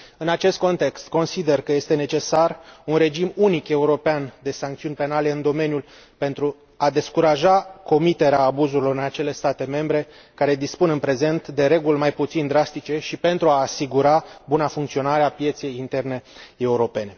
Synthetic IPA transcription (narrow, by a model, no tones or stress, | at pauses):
ɨnat͡ʃe̞st̪ko̞nt̪e̞kst̪ko̞nsid̪e̞rkəje̞st̪e̞ne̞t͡ʃe̞sarunre̞d͡ʒimunike̞uɾo̞peand̪e̞saŋkt̪siunʲpe̞nale̞ɨnd̪o̞me̞njul | pe̞nt̪ɾu | ad̪e̞skuɾaʒako̞mit̪e̞ɾeaːbuzuiloɨnat͡ʃe̞le̞st̪at̪e̞me̞mbɾe̞ | kaɾe̞d̪ispunɨnpɾe̞ze̞nt̪d̪e̞ɾe̞ɡulmajput̪sind̪ɾast̪it͡ʃe̞ʃipe̞nt̪ɾuaːsiɡuɾabunafuŋkt̪sio̞naɾeapje̞t̪sejint̪e̞rne̞euɾo̞pe̞ne̞